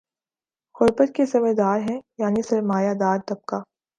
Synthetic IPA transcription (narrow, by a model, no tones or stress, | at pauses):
xʊɾbət̪kezɐmed̪aːɾɦɛ̃jaːnisɐɾmaːjad̪aːɾt̪ɐb̚ka